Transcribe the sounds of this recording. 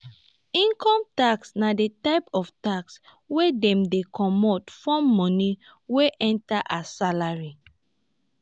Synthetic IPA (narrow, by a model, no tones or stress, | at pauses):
ĩŋkɔ̃mtaksnadetaɪpɔftaks | wedɛ̃mdekɔmɔtfɔ̃mːɔ̃ni | weʔɛ̃ntaʔasalaɹi